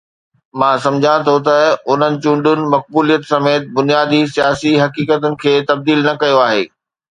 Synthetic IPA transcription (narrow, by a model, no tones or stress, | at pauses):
mãːsɐ̃md͡ʑʱãt̪ʰot̪ɐʊn̤ənɪ̆t͡ɕũːɳɖʊnɪ̆mɐk̚buːlijət̪sɐmeːt̪̚bʊnijaːd̪isijaːsiɦɐkiːkət̪ʊnɪ̆kʰeːt̪ɐb̚d̪iːlnɐkɐjoaːɦḛː